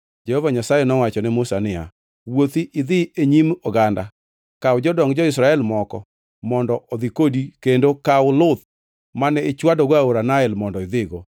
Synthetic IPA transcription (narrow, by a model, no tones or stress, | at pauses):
d͡ʒɛhovaɲasajɛnɔwat͡ʃɔnɛmʊsanɪja̰ | wot̪iʔɪðɪeɲimɔɡanda̰ | kawʊd͡ʒɔdɔŋd͡ʒɔɪsɾaɛlmɔkɔ̰ | mɔndɔʔɔd̪ikodikendokaʊlʊt̪̚ | manɛɪt͡ʃwadɔɡaoɾanaɛlmɔndɔɪd̪ɪɡo